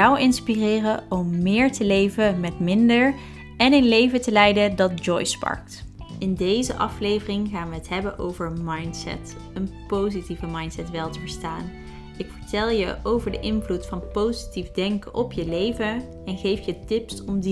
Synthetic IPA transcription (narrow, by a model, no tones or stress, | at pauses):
ɔwɪnspirɪːrəɔmːɪːɹtəlejvəmɛtmɪndəɹ | ɛnɪnlejvətəlɛjdədɑt̚d͡ʒɔjspɑ̰ɹk̚tɪndejzəʔɑflejvərɪŋχaːnʋəɦətɦɛbənʔo̰wvəɹmɑjntsɛ̰t | ənpowzitivəmɑjntsɛtʋɛlˠtəvəɹstaːn | ɪkfəɹtɛlˠjəʔowvəɹdəʔɪnvlutfɑnpowzitivdɛŋkəʔɔpjəlejvə | ɛnχejfjətɪpsɔmd